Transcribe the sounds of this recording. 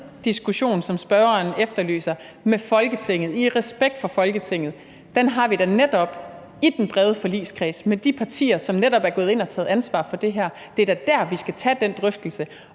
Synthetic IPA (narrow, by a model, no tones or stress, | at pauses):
d̥isɡ̥uɕo̝̰ːnsɒ̽msb̥ɶːɐɐnefd̥ɐly̰ːsɐ | mefɒ̽lɡ̥ət͡sʰe̝ŋ̰ð̞̩ˠiʁɛsb̥eɡ̥̚d̥fɒ̽fɒ̽lɡ̥ət͡sʰe̝ŋ̰ð̩ˠ | d̥enɦɑ̈ʋiɾ̥æned̥ɒ̽b̥ | id̥enb̥ʁɛð̞ˠəfɒ̽lḭːskʰʁɛ̰ːsmed̥ipʰɑ̈t͡sʰḭːɐsɒ̽mneɾɒ̽b̥æɐɡ̥ɔ̽ːð̞̩ˠe̝n̰ɒt͡sʰɛ̰ːð̞̩ˠænsʋɑ̰̈ːfɒ̽d̥e̝ɦæɐ̰ | d̥e̝ɐd̥æd̥æɐ̰ʋisɡ̥æt͡sʰɛ̰ːd̥end̥ʁœfd̥l̩sə